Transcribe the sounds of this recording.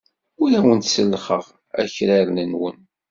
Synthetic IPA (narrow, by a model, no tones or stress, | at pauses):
uɾæwənt̪səlːχə̰ʁ | æ̰çɾæɾnənwə̰n